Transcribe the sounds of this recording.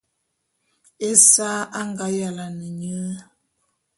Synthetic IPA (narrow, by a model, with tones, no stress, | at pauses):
e˦sa˦ʔa˦ŋɡa˨˦ja˨la˨nə˨ɲə˦